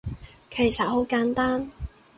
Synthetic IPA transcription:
kʰe˨˩jsɐ˨˩ho˨˥wkaː˨˥nt̪aː˥n

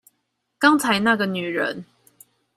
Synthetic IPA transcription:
kɑ˦ŋt͡sʰa˨˦ɪna˥˨ɡə˨ny˨˩ɻə̰˦n

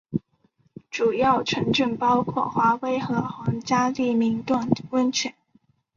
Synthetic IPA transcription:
ʈ͡ʂu˨˩jɑ˥˩ʊʈ͡ʂʰə˧˥nʈ͡ʂə˥˩npɑ˥ʊkʰwɔ̰˥˩xwa˧˥we˥ɪxɤ˧˥xɑ˧˥ŋt͡ɕja˥li˥˩mi˧˥ŋt̪wa˥˩nwə˥nt͡ɕʰɥɛ˧˩˥n

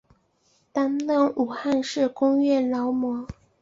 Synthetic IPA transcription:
t̪a˥nlɤ˥˩ŋʔu˨˩xa˥˧nʂɻ̩˥˩kʊ˥ŋɥɛ˥˩lɑ˧˥ʊmwɔ˧˥

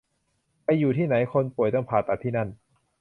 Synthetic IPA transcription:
pa˧jːuː˨˩t̪ʰiː˥˩na˩˦jkʰo˧npu˨˩əjt̪a˥˩ŋpʰaː˨˩t̪ːa˨˩t̪ʰiː˥˩na˥˩n

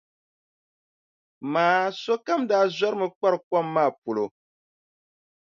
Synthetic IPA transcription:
maː˨˦so˦ka˦mdaː˦za˦ɾɨ˦mɨ˨k͡pa˦ɾka˦˨mːaː˦˨pu˨lo˨

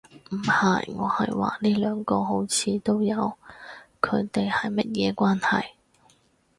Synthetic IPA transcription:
m̩˨˩hɐ˨˩jŋɔː˨˧hɐ̰˨jwa̰ː˨liː˥lœː˨˧ŋkɔː˧ɦo˨˥wt͡sʰiː˨˧t̪o˥wjɐ˨˧wkʰɵ̰˨˧ɥt̪e˨jhɐ˨jmɐ˥t̚jɛː˨˧kwaː˥nhɐ˨j

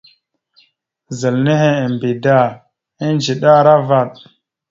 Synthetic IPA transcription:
zə˨lne˦ɦe˦e˨m˨bi˨da˦˨ | i˦nd͡ʒi˨ɗa˦ɾa˦va˦˨t̚

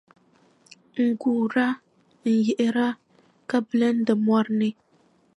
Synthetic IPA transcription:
ŋ̩˨ɡuː˨ɾa˦ | n̩˨jɛ˨ʔɪ˦ɾa˦ | ka˦blɨ˦n̩˦dɨ˨mwɔ˦ɾnɨ˦

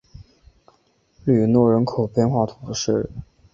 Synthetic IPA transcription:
ly˨˩nwɔ˥˩ɻə˧˥nkʰo˨˩ʊpjɛ˥˧nxwa˥˩t̪ʰʊ˨˧˩ə˦ʂɻ̩˥˩

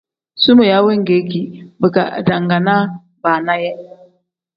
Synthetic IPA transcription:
su˦mə˨ja˨˦we˦ŋ˨ɡe˨˦ki˨bə˨ka̰˨da˨ŋɡa˨na˦ | ba˨na˦jɛ˦

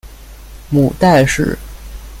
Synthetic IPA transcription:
mu˨˩t̪a˥˧ɪʂɻ̩̰˨˩

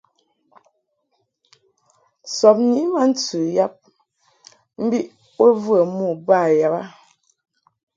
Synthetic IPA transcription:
sɔ˨p̚ɲi˦ma˦n̩˦t͡sʉ˨ja˦p̚ | m̩˦bi˦ʔ | wə˦vwə˨mu˦˨ba˦˨ja˨ba˦

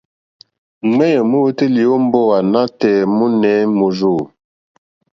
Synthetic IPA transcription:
ŋɛ˦jə˨mu˦wə˦ti˦li˨o˦m̩˦bɔ˦wa˨na˦tɛː˨mu˦nɛ˨˦mo˨zo˦˨

